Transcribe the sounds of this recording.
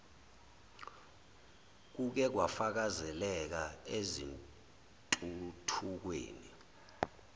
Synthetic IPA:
k̬uk̬ɛk̬wafak̬azɛlɛk̬aezin | tʼutʰuk̬wḛːni

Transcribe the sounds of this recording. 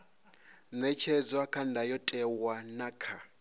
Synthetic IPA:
nɛt͡ʃʰɛd͡zwakʰandʱajɔtʼɛwanakʰa

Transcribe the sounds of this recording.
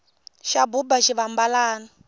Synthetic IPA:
ʃabubaʃiβambalaːna

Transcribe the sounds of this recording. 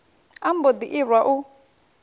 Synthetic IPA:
am̩bod̪iʔiɾwaʔu

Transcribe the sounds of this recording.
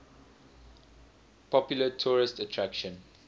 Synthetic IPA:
pʰɔpjʊlətʰuːɹɪstətʰɹakʃə̃n

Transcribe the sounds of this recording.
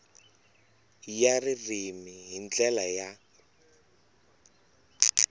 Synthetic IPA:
jaririmiɦind͡ɮɛlaja

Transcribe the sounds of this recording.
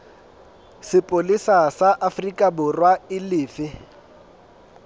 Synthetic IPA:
sɪpʼolisasaʔafrikʼabʊrwaɪlɪːfɪ

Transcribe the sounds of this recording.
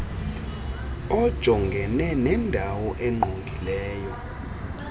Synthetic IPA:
ɔd̥ʒ̥ʱɔŋɡʱɛnɛnɛndʱawɔʔɛŋ͡ǃʱoŋɡʱilɛːjɔ

